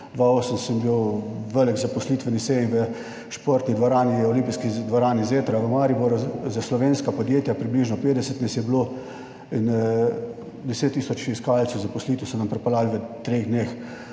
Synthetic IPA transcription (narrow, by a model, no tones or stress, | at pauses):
d̪ʋaoːsəmsəmbiwʋələɡzapɔslit̪ʋənisɛinʋə | ʃpoːɾt̪nid̪ʋoɾaːniɔlimpiskid̪ʋɔɾaːnizeːt̪ɾaʋəmaɾiboɾuzaslɔʋeːnskapɔd̪jeːt̪japɾibliːʒnɔpeːt̪d̪ɛsət̪nɛsjɛblo | in | d̪ɛset̪ːisɔt͡ʃiskaːlt̪səwzapɔslit̪əsɔnampɾɛpalaːlʋət̪ɾeːɣd̪neːx